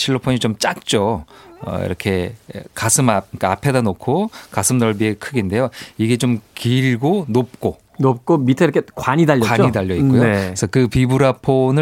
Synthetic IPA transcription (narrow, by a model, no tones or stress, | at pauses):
t͡ɕʰiɭːopʰoɲit͡ɕomt͡ɕ͈ak̚t͡ɕ͈oʌ̰ḭɾʌkʰe̞kasʰɯmka̰pʰe̞danokʰokasʰɯmnʌɭbiekʰɯɡinde̞joiɡe̞t͡ɕomkiɭɡonop̚k͈o | nop̚k͈omitʰeɾʌkʰekwaɲidaʎːʌaɲidaʎːʌikkojoesʰʌkɯpibuɾapʰonɯ